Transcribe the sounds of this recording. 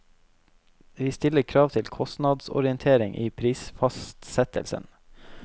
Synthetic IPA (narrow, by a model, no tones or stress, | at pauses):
ʋiːst̪ɪləɾkʰɾɑːʋt̪ʰɪlkʰɔst̪nɑd̪sɔ̰ɾɪənt̪ʰeːɾɪŋʔḭːpʰɾiːsfɑst̪sɛt̪ə̰lsə̰n